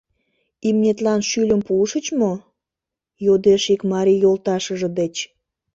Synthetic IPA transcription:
imnʲet̪lɑnʃylʲəmpuʃət͡ɕmo | jod̪eʃikmɑɾijolt̪ɑʃəʒə̆d̪et͡ɕ

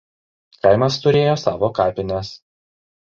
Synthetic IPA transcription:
kɑˑɪmɐst̪ʊɾʲeːjoːsɑːʋoːkɑːpʲɪnʲɛs

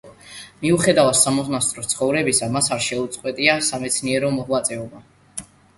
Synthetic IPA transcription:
miuχɛd̪avat̪samɔznast̪ʼɾɔt̪sʰχɔvɾɛbisamasaɾʃɛut̪sʼqʼwɛt̪ʼiasamɛt̪sʰniɛɾɔmɔhlˠat̪sʼɛɔba

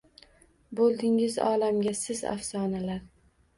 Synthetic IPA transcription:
bolˠd̪ɪŋɪzɒ̰ːlamɡʲasɪza̰fsɒːnalaɾ

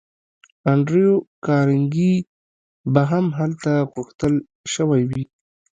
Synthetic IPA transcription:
aɳɖɾijokɑɾɪŋɡi | baɦamɦalt̪aɣʊxt̪əl | ʃəwajwi

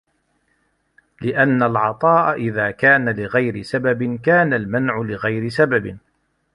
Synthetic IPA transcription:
lɪʔanːalʕɑt̪ˤɑːʔaʔɪðaːkaːnalɪɣajɾɪsababɪnkaːnalmanʕʊlɪɣajɾɪsababɪ

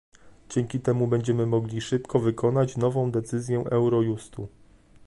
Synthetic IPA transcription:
d͡ʑɛŋkʲit̪ɛmubɛɲd͡ʑɛmɘmɔɡlʲiʂɘpkɔvɘkɔn̪at͡ɕnɔvɔ̃w̃d̪ɛt̪sɘzʲjɛʔɛwɾɔjust̪u

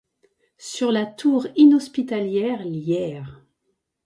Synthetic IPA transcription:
syʁlat̪ʰuʁinɔspit̪aljɛʁljɛːʁ

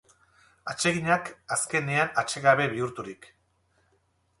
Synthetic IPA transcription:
at͡ʃe̞ɣiɲakaske̞ne̞anat͡ʃe̞ɣaβe̞βiuɾt̪uɾik

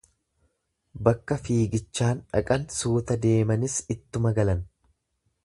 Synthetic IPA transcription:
bɐkːɐfiːɡɪt͡ʃːaːnᶑɐ̰kʼɐnsuːt̪ɐd̪e̞ːmɐnɪsɪt̪ːʊmɐɡɐlɐn

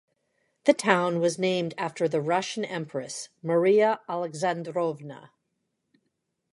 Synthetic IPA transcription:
ðɨtʰãʊ̃nwʌznẽɪ̃mdæftə˞ðɨɹʌʃɨ̃n̩ɛ̃mpɹɨsmə˞iəælˠəɡzæ̃ndɹovnə̰

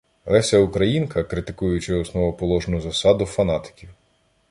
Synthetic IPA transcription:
lɛsʲɐʊkɾɐjinkɐkɾɪt̪ɪ̥kujʊt͡ʃɪɔsnɔʋɔpɔlˠɔʒnʊzɐsɑd̪ʊfɐnɑt̪ɪ̥kʲiw

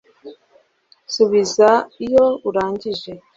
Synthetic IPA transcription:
suβizaijouɾaːɲɟiʒe̞

